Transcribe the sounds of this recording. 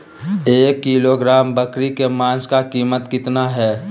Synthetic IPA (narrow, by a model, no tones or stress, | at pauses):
eːkːiːloɡɾaːmbəkɾikemãːskakiːmət̪kɪt̪naɦɛː